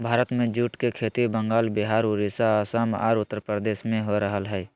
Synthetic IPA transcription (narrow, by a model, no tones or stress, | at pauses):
bʱaːɾət̪mẽd͡ʒuːʈkekʰeːt̪ibəŋɡaːlbɪɦaːɾuɾisaasama̰ːɾʊt̪ːəɾpəɾd̪eːsmẽɦoɾəɦəlɦɛː